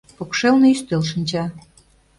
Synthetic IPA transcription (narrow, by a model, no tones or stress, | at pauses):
pokʃelneyst̪ølʃənʲt͡ɕɑ